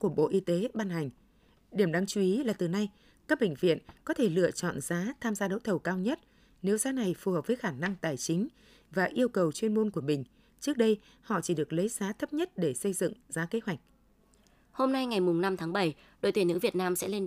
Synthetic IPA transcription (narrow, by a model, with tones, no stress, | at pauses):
ku˧˩əɓo̰˧˨ʔi˧t̪e˨˦ɓaː˧nɦa˨˩jŋ̟ | ɗi˧˩əmɗaː˧ŋt͡ɕu˨˧ʔi˨˦laː˨˩t̪ɨ˨˩na˧j | kaː˦˥k̚ɓḛ˧˨ŋ̟vḭ˧˨ənkɔ˨˦t̪ʰe˧˩lɨ̰˧˨ət͡ɕɔ̰˧˨nzaː˨˦t̪ʰaː˧mzaː˧ɗə̰˨˦wt̪ʰə˨˩wkaː˧wɲə˦˥t̚ | ne˨˦wzaː˨˦na˨˩jfu˨˩həː˨˩p̚vəː˨˦jxaː˧˩na˧ŋt̪aː˨˩jt͡ɕï˨˦ŋ̟ | vaː˨˩ʔi˧əwkə˨˩wt͡ɕwi˧ənmu˧nku˧˩əmï˨˩ŋ̟ | t͡ɕɨ˦˥ək̚ɗə˧j | hɔ̰˧˨t͡ɕi˧˩ɗɨ˨˩ək̚lə˨˦jzaː˨˦t̪ʰə˦˥p̚ɲə˦˥t̚ɗe˧˩sə˧jzɨ̰˧˨ŋzaː˨˦ke˨˦ɦwa˨˩jk̟̚ | ho˧mna˧jŋa˨˩jmʊ˨˩ŋ͡mna˧mt̪ʰaː˨˦ŋɓə˧˩j | ɗo̰˨˩jt̪wi˨˩nɨ̰˧˥vi˨˩ət̚naː˧msɛ̰˧˥le˧n